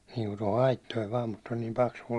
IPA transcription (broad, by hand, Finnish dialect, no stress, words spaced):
niːŋku toho ɑitːoiʋ ʋɑːm mut olʲ nim pɑksuɒ